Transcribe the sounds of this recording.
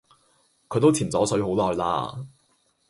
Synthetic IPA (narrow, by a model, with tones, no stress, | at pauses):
kʰɵ˨˧˥t̪o˥wt͡sʰiː˨˩mt͡sɔː˨˥sɵ˨˥ɥɦo˨˥wlɔː˨˩jla̰ː˧